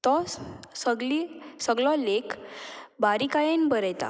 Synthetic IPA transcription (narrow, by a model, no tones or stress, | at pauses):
t̪ɔssəɡlisəɡlɔ̃lekbaɾikajenbəɾɛjt̪a̰